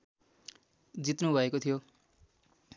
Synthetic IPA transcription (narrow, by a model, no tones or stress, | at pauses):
d͡zit̪nubʱʌekot̪ʰijo